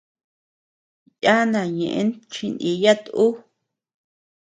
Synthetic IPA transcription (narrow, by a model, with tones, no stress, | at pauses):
ja˦nã˨ɲẽ˨ʔḛ˧˦nt͡ʃi˧nĩ˧ja˦t̪u˦